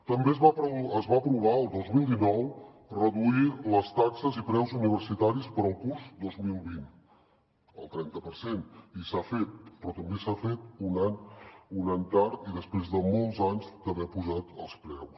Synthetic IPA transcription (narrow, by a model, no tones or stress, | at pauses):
t̪əmbezβapəzβaəpɾuβ̞aəlˠd̪ozmilˠd̪inɔw | rəðuiləst̪aksəzipɾɛwzuniβ̞əɾsit̪aɾispəɾəlˠkuɾzd̪ozmilˠβin | ə̰lˠt̪ɾɛnt̪əpəɾsenisafet̪̚pɾɔt̪əmbesafet̪̚unaɲunaɲt̪aɾt̪iðəspɾezðəmɔlˠzaɲzd̪əβɛpuʒat̪ə̰lˠspɾɛws